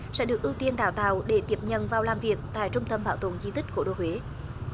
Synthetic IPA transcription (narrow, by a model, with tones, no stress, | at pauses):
sɛ̰˧˥ɗɨ˨˩ək̚ʔɨ˧wt̪i˧ənɗaː˧˩wt̪a̰ː˧˨wɗe˧˩t̪i˨˩əp̚ɲə̰˧˨nvaː˨˩wlaː˨˩mvi˨˩ək̚t̪a̰ː˧˨jt͡ɕʊ˧ŋ͡mt̪ə˧mɓaː˧˩wt̪o̰˧˩nzi˧t̪ï˦˥k̟̚ko˧˩ɗo̰˧˩hwe˨˦